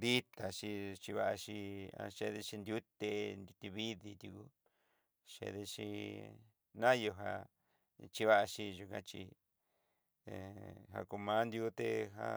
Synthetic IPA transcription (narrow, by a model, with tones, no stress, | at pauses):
d̪i˦t̪a˨t͡ʃi˧t͡ʃi˧βa˧ʔa˧t͡ʃi˧ã̰˧ʃe˧ðe˧t͡ʃi˧nd̪ju˦t̪e˧nd̪u˧t̪i˧βi˦ði˧t̪ʲu˧ku˧ | ʃḛ˧ðe˧t͡ʃi˧ | nã˦jo˧ɦa˧ | t͡ʃi˧βa˦ʔa˧ʃi˧ʒu˧kã˧t͡ʃḭ˧˨ | ɦa̰˧ku˧mã˦nd̪ju˧˦t̪e˦˧ɦa̰˧